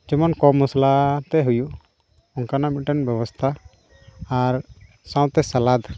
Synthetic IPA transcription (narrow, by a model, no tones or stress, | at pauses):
d͡ʒɔmɔnkɔmuslat̪ɛɦuju | ɔnkanamiʈɛnbjɛbɔst̪ʰaː | ɾ | sãw̃t̪ɛsalad̪